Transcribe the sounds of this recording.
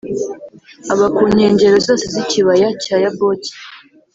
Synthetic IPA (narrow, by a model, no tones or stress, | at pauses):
aβakuːɲe̞ːɲɟe̞ɾozo̞ːseziciβajacajaboci̥